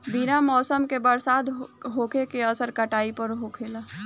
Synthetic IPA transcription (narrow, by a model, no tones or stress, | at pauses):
biɾamɔsəmkebəɾsad̪ɦokekeəsəɾkəʈaipəɾɦokʰelə